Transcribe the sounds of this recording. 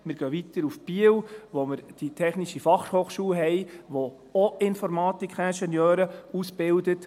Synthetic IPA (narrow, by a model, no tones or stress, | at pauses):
mɪɾɡ̥øːʋit̪əɾufb̥iəwʋoməɾd̥itʰɛχniʃifɑχhoːχʃuːɦɛjʋo | ɔɪnfɔɾmɑːt̪ikχæʃɛnjøːɾəusb̥ɪldət